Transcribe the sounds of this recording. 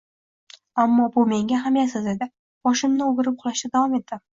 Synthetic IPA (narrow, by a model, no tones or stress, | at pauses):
amːɒbʊme̞ŋɡʲaɦamjasɪzd̪ed̪ɪ | b̥ɒʃɪmnɪoɡʲɪɾɪp̚qʰʊlˠaʃt̪ad̪avɒme̞t̪ʰːɪ